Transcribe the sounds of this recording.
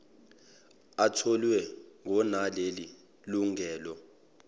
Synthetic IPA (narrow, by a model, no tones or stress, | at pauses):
atʰɔlwɛŋɔnaleli | luŋɛːlɔ